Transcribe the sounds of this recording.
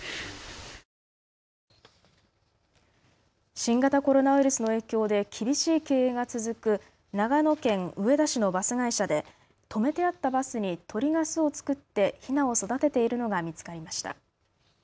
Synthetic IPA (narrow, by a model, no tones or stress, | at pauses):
ɕĩŋɡat̪ako̞ɾo̞naɸ̟ɯɾɯsɨno̞e̞ːkʲo̞ːd̪e̞kʲʰibʲiɕiːke̞ːeːɡat͡sɨzɨkɯ̟ | naɡano̞kẽ̞ŋɯ̟e̞d̪aɕinobasɨɡaiɕad̪e̞ | t̪ʰo̞me̞t̪e̞at̪ːabasɨɲ̟it̪ʰo̞ɾʲiɡasɨo̞t͡sɨ̥kɯ̟t̪ːe̞çinao̞so̞d̪at̪e̞t̪e̞iɾɯ̟no̞ɡamʲit͡sɨ̥kaɾʲimaɕi̥t̪a̰